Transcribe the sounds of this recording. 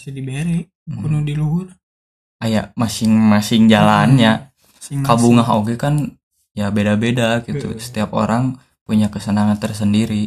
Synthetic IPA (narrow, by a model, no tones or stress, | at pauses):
sidibeɾɛ | punudiluɦur | ajamasɪŋmasɪŋd͡ʒalanɲa | kabuŋaɦoɡɛkan | jabedabedaɡit̪ṵsə̥t̪iapo̰ɾaŋ | puɲakəsənaŋant̪ərs̬əndiɾi